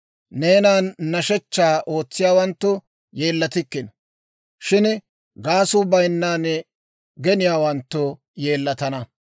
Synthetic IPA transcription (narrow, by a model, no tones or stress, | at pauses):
neːnaːnːɐʃɛt͡ʃːaːʔo̞ːt͡sːɪjaːwɐnt̪ːʊ | je̞ːlːɐt̪ɪkːɪn | ʃɪn | ɡaːsʊbɐjnːaːn | ɡɛnɪjaːwɐnt̪ːɔ | je̞ːlːɐt̪ɐnɐ